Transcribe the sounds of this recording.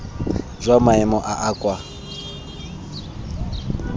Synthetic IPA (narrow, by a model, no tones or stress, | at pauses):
zʷamaɛmɔʔaʔakʼwa